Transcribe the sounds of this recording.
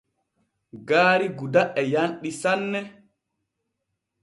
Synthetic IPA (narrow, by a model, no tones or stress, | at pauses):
ɡaːɾiɡudaʔɛjanɗisanːɛ